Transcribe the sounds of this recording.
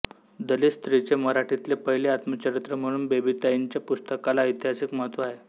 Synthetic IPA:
d̪əlist̪ɾit͡ɕeməɾaʈʰit̪lepəɦileat̪mət͡ɕəɾit̪ɾəm̤əɽ̃uːnbebit̪aiɲt͡ɕjapust̪əkalaəjt̪iɦasikmət̪ʋaɦe

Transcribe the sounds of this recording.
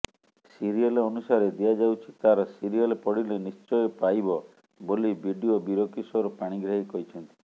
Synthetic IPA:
siɾiɔleɔnusaɾed̪iad͡ʒawt͡ʃʰit̪aɾɔsiɾiɔlepɔɽilenist͡ʃɔjepajbɔ | bolibʱiɖiobiɾokisɔɾɔpaɽ̃iɡɾaɦikɔɾit͡ʃʰɔnt̪i̥

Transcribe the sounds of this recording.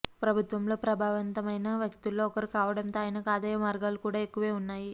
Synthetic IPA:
pɾɐbʱut̪ʋɐmlo̞ːpɾɐbʱaːʋɐnt̪ɐmɐjnɐʋjɐkt̪ulːo̞ːkɐɾikaːʋɐɽɐnt̪oːjɐnɐkaːd̪ɐjɐmaːɾɡaːlukuːɽaːe̞kːuʋe̞ːunːaːji

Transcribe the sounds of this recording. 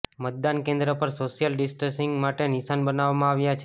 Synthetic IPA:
mət̪̚d̪ankẽnd̪ɾəpəɾsoʃijəlɖɪsʈənsɪŋɡmaʈenisanbənaʋamãaʋjat͡ʃʰe

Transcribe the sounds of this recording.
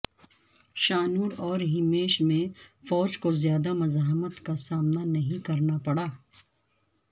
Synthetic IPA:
ʃaːnuːɾɔːɾɦɪmeːʃmẽfɔːd͡ʒkozjaːd̪amɐzaːɦmət̪kasaːmnanɐɦĩkɐɾnapɐɽaː

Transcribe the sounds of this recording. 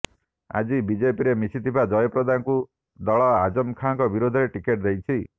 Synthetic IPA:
a̰d͡ʒibid͡ʒepiɾemisit̪ʰibad͡ʒɔjɔpɾɔd̪ʱanku | d̪ɔɭɔad͡ʒɔmkʰaŋkɔbiɾod̪ʱɔɾeʈikeʈd̪ejt͡ʃʰi

